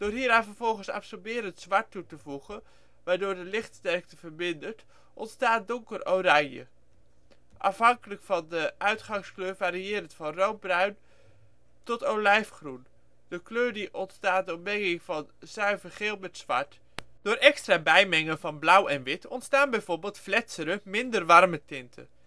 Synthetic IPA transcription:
d̥ʊːɹɦiːɾaːnvəɹvɔlˠχənsɑ̰psɔɹbɪːɾəntzʋɑɹtːutəvuχən | ʋaːɹdʊːɹdəlɪχtstɛɹk̚təvəɹmɪndəɹt | ʔɔntstaːt̚dɔŋkərowraːjjə̰ | ʔɑ̰fɦɑŋkələkfɑndəʔœɥtχɑŋskløːɹvaːɾiɪːɾəntfɑnrow̚brœɥn | tɔtowlɛjfχrun | d̥əkløːɹdiʔɔntstaːt̚dəɔbɛŋɪŋvɑnzœɥvəχeːlˠmɛtsʋɑ̰ɹt | d̥oːɹʔɛkstraːbɛjmɛŋənvɑnblʌwɛnʋɪtɔntstaːnbɛjvoːɹbeːlˠtflɛtsəɾəmɪndərʋɑrmətɪntʰə̰

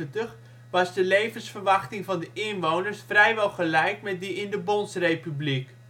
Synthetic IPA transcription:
əntəχ | ʋɑzdəlejvənsfərʋɑχtɪŋvɑndəʔɪnʋownərsfrɛjʋɛlˠχəlɛjkmɛt̚diɪndəbonsrejpyblik

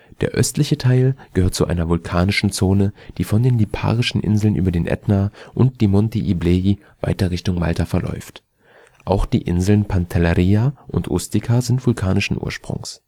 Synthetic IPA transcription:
d̥ḛːɐʔœstlɪçətʰaɪlɡ̥əhøːɐt̚t͡suʔa̰ɪnɐvʊlkʰaːnɪʃn̩t͡soːnəd̥iːfɔndeːnlipʰa̰ːʁɪʃn̩ʔɪ̰nzl̩nʔyːbɐdeːnʔɛ̰tnaʔʊnt̚d̥iːmɔnteʔiblei | va̰ɪtɐʁɪçtʊŋma̰ltafɛɐlʔɔ̰ʏft | ʔaʊxd̥ḭːʔɪ̰nzl̩npʰantʰalaʁiːaʔʊ̰ntʔo̰stɪkʰazɪntv̥ʊlkʰaːnɪʃn̩ʔṵːɐʃpʁ̥ʊ̰ŋs

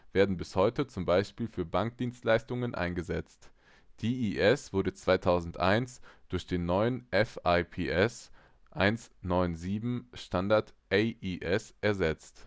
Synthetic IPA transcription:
v̥eːɐdn̩bɪshɔʏtət͡sʊmbaɪʃpiːlfyːɐbaŋk̚d̥iːnstlaɪstʊŋənʔa̰ɪnɡəzɛt͡st | d̥iːʔiʔɛsv̥ʊɐdət͡sv̥aɪtʰaʊzn̩tʔa̰ɪnsd̥ʊɐçd̥eːnːɔʏənʔɛfaɪpʰeːʔɛs | ʔaɪnsnɔʏnziːbm̩ʃtandaɐtʔeɪʔiʔɛsʔɛɐzɛt͡st

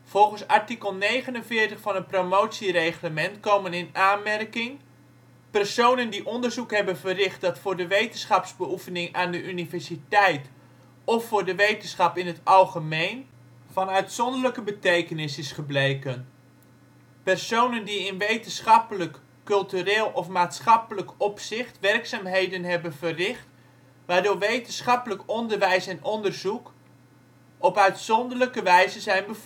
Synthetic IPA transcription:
v̥ɔlˠχənsaɹtikəlˠnejχənənvɪːrtəχfɑnənpromowtsirejχləmɛntkowmənɪnaːnmɛrkɪŋ | pɛrsownəndiʔɔndərzukɦɛbənvərɪχt̚dɑtfʊːɹdəʋejtənsχɑpsbəufənɪŋaːndəʔynivɛɹsitɛjt | ɔfːʊːɹdəʋejtənsχɑpɪnɦətɑlˠχəmejn | vɑnœɥtsɔndərləkəbətejkənɪsɪsχəblejkən | pɛrsownəndiɪnʋejtənsχɑpələkː | ɵlˠtyreːlˠʔɔfmaːtsχɑpələkɔpsɪχtʋɛrksaːmɦejdənɦɛbənvərrɪχt | ʋaːrdoːɹʋejtənsχɑpələkɔndərʋɛjsɛnʔɔndərzuk | ɔpœɥtsɔndərləkəʋɛjzəzɛjnbəf

